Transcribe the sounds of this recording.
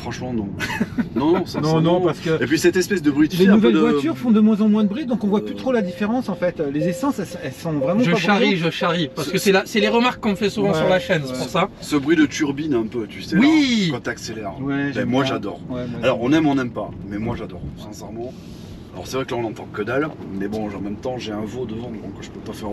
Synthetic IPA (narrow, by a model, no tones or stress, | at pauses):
fχɑ̃ʃmɑ̃nɔ̃nɔ̃nɔ̃sɛnɔ̃nɔ̃paʁsə̥kəepɥisɛt̪ɛspɛs̬d̪əbʁit̪leɛnuvɛld̪əvwat̪yʁfɔ̃d̪əmwɛ̃zɑ̃mwɛ̃d̪əbʁid̪ɔ̃kɔ̃vwaplyt̪χolad̪ifeʁɑ̃sɑ̃fɛt̪lezesɑ̃sɛlsɛlsɔ̃vʁɛmɑ̃ʒəʃaʁiʒəʃaʁipaʁsə̥kəsɛlasɛleʁəmaʁkːɔ̃mfɛsuvɑ̃syʁlaʃɛnspuʁsasəbʁɥid̪ət̪yʁbinɛ̃pøt̪ysɛwikɔt̪akselɛʁwɛmɛmwaʒad̪ɔ̰ʁwɛalɔʁɔ̃nɛmɔ̃nɛmpamɛmwaʒad̪ɔʁsɛ̃sɛʁmɑ̃ | alɔ̰ʁsɛvʁɛklaɔ̃nɑ̃t̪ɑ̃kəd̪almɛbɔ̃ʒɑ̃mɛmt̪ɑ̃ʒeɛ̃vod̪əzɑ̃d̪yvɔ̃kəʒəpøpafɛʁ